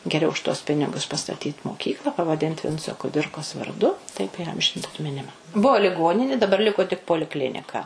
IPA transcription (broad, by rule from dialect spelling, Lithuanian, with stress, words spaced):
ɡʲɛˈrʲɛʊ ʊʃ tuɔs ˈpʲɪnʲɪɡʊs pɐstɐˈtʲiːt moːˈkʲiːklˠɐ pɐʋɐˈdʲɪnt ˈʋʲɪnt͡soː kʊˈdʲɪrkoːs ʋɐrˈdʊ tɐɪp iːˈɐmʲʒʲɪnt ɐtʲmʲɪˈnʲɪmɐ ˈbuɔ lʲɪˈɡoːnʲɪnʲɪ dɐˈbɐr ˈlʲɪkoː tʲɪk poːlʲɪˈklʲɪnʲɪkɐ